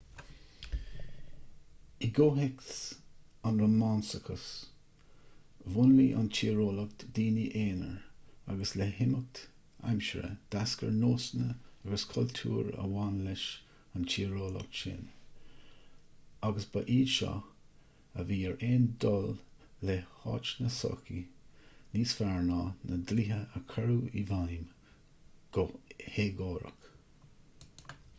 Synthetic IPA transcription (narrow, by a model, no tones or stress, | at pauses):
iɡoːɦɪks | anɾəmɑnsəkʰəs | vʊnliʔa̰nt͡ʃʰiːɹoːləkt̪d̥̪iːniʔeːnə̰ɹaɡəslɛhɪmək̚t̪ | a̰mʃəɾə̰d̪̥askə̰ɹnoːsnəaɡəskʰɔlt̪ʰṵːɹə̰wanlɪʃ | ant͡ʃʰiːɹoːlɔ̰kʃḛn | aɡəsbəʔiːʃɑ̰ | əviːɛɹeːnd̪ɔlː | ehɑːt͡ʃnəsɔ̰ːki | niːsfaɹnɑːnəd̪liɦəəkʰəɹuːivajm | ɡheːɡoːɾə̰k